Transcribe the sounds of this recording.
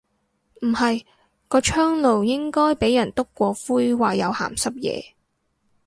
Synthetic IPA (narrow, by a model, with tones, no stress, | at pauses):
m̩˨˩hɐ˨j | kɔː˧t͡ʃʰœː˥ŋlo˨wjɪ˥ŋkɔː˥jpe˨˥jɐ˨˩nt̪ʊ˥kːʷɔː˧fuː˥jwaː˨jɐ˨˧wha̰ː˨˩msɐ˥p̚jɛ̰ː˨˧